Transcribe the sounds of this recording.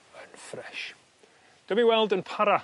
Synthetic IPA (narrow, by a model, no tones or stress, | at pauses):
ənfrɛʃ | d̥əmiwɛlˠdənpʰaɾa